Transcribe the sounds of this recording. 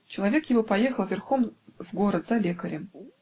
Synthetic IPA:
t͡ɕɪlˠɐvʲe̞kjɪvopɐje̞xəlˠvʲɪrxomvɡo̞ɾət̪zɐlʲekəɾʲɪm

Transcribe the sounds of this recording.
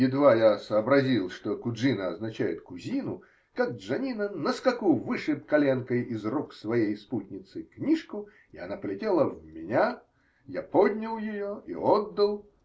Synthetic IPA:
jɪd̪vajasɐːbɾazʲilˠʂt̪ɔkuʐɨnɐɐznat͡ɕajɪt̪kuzʲinu | kɐɡ̚ʐanʲinɐnɐskakuwvɨʂɨjp̚kalʲɛnkɐjizrɔksvajejsput̪ʲnʲit̪sɨknʲiʂku | ia̰napɐlʲɛtʲɛlˠɐwmʲɪnʲa | japɔd̪ʲnʲɐwˠjajɔḭɔd̪ːɐlˠ

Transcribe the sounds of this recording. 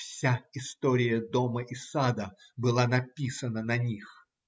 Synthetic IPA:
fsʲaɪst̪oɾʲɪjəd̪oməʔɪsad̪ə | bɨlˠanɐpʲisənənɐnʲix

